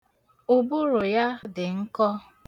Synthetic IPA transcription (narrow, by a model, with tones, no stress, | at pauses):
u˨bu˦ɾʊ˨ja˦dɪ˨ŋ̩˦kɔ˦